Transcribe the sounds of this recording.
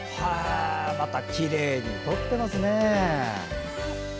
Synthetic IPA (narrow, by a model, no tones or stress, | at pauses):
hamat̪akʲiɾe̞ːɲ̟it̪o̞t̪ːe̞masɨne